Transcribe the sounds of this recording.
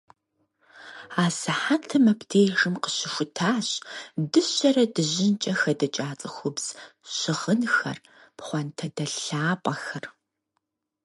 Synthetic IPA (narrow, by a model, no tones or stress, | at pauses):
aːsɨħatʰɨmɐpʰtʰeːjʒɨmqə̥ɕɪxʷʊtʰaːɕdɨɕɐrɐdɨʑɪnt͡ʃʼɐxɐdɐt͡ʃʼaːt͡sʼɐxʷʊbz̥ɕɪʁənxɐ̰r | pχʷɔntʰɐdɐɬaːpʼɐxɐr